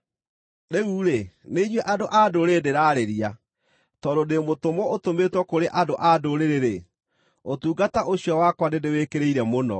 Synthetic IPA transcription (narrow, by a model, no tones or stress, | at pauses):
neuːɾeneiɲwɛʔadoʔadoɾedeɾaːɾeɾia | tɔdodemotomɔotometwɔkoɾeʔadoʔadoɾeɾeɾe | otuːɡataʔoɕijɔwakwanedewekeɾeiɾɛmonɔ̰